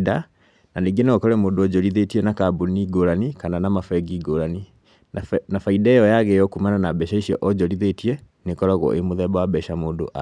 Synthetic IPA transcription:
da | naniɡeneɔkɔɾɛmoːndoɔɟɔɾiðetiɛnakabuniɡoɾanikananamafɛɡiɡoɾani | nafaidaejɔjaɣejɔkumananabɛʃaiʃiɔʔɔd͡ʒɔɾiðetiɛ | nekɔɾaɣɔ̰ʔemoðɛbawabɛʃamoːndo̰ʔa

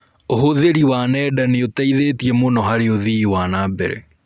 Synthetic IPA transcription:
oɦoðeɾiwaːnɛdaneotaiðetiɛmonɔɦaɾeoðiwaːnaːbeɾḛ

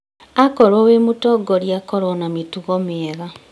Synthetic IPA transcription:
akɔɾɔwemutɔɡɔɾjakɔɾɔnamituɣɔmeeɣa

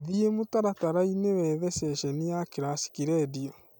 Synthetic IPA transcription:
ðiemutaɾataɾainewɛːðesɛʃeniakiɾasi̥kiɾɛːdio

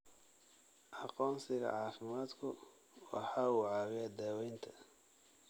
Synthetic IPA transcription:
ʔɑqɔːnsɪɣɐ̰ʕɑːfɪmaːd̪kʰʊ | wɑ̰ħɑːuʕɑːwɐd̪aːwɛjnt̪ʰɐ̥

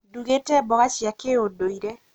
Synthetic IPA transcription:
duɣetɛbɔkat͡ʃjakeodoiɾe

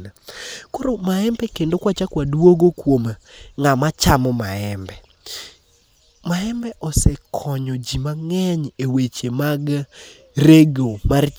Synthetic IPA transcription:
nakoɾomaɛmbɛkendokwat͡ʃakwadwoɡokwomŋamat͡ʃamɔmaɛmbɛ | maɛmbɛʔɔsɛkʰɔɲɔd͡ʒimaŋɛɲewet͡ʃemaɡ | reɡomar

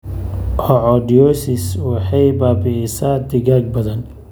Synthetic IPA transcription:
hɔʕɔdɔsɪswɑħɑjbaːbɪɪsaːd̪ɪɣaːɡ̚bɐðɐn

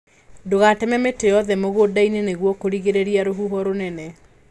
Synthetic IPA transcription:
doɣatɛmɛmetejɔðɛmoɣodaineneɣwɔkoɾiɣeɾeɾiaɾoɦuɦɔɾonɛnɛ

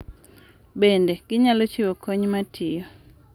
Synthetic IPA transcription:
bendeɡ̥ɪɲalot͡ʃiwokʰoɲmatʰɪjo

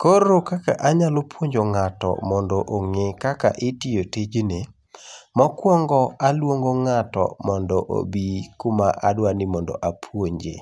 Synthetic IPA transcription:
koɾːokaka̰ʔaɲalopwoɲd͡ʒoŋatɔ̰mɔndɔʔoŋekaka̰ʔɪtijoted͡ʒne | mɔkwɔŋɡɔalwoŋɡoŋatɔ̰mɔndɔʔo̰bikumaʔa̰dwanɪmɔndɔ̰ʔapʰwoɲd͡ʒḛ

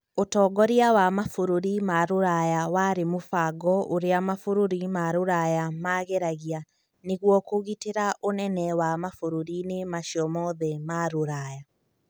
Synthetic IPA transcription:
otɔːɡɔɾiawamafoɾoɾimaɾoɾajawaɾemofaɡɔʔoɾeamafoɾoɾimaɾoɾajamaːɣeɾaɣia | neɣwɔkoɣiteɾaʔonɛnɛwamafoɾoɾinemaʃiɔmɔðɛmaɾoɾaːja

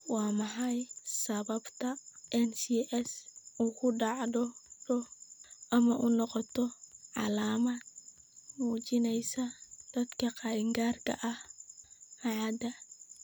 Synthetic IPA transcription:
wɑːmɐħɐjsɐβɐbt̪ʰɐʔɛnsiːʔɛsukʰʊɖɑʕd̪ɔɖɔʔɐmɐʔʊnɔqɔt̪ʰɔʕɑ̰laːmɐd̪̚ | muːt͡ʃɪnɛjsɐd̪̥ɐd̪kʰɐqɑɪŋɡaːrkʰɐ̰ʔɐh | aʕɑd̪ɐ

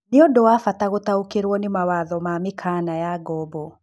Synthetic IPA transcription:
neodowafataɣotaokeɾwɔnemawaðɔmamekʰanajaɡɔbɔ

